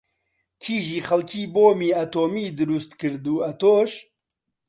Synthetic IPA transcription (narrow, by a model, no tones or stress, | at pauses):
kʰiːʒiːxɐlkʰiːboːmiːɐt̪oːmiːd̪ɨɾust̪kɨɾd̪uːɐt̪oːʃ